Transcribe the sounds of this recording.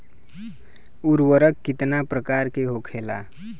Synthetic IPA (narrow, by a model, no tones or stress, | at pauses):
uɾwəɾəkːit̪napɾəkaɾkeɦokʰela̰